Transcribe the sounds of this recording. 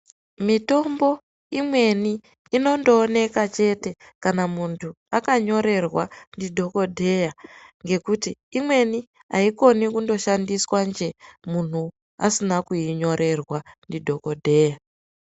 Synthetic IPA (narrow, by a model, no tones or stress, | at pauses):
mito̞mbo̞ | imwe̞niː | no̞ndoːne̞kat͡ʃe̞te̞ | kanamuntʰu | akaɲo̞ɾe̞rwandidʱo̞ko̞dʱe̞jaŋɡe̞kutiːmwe̞ni | a̰iko̞nikundo̞ʃandiswand͡ʒe̞mun̤u | a̰sinakuiɲo̞ɾʔe̞rwandidʱo̞ko̞dʱe̞ːja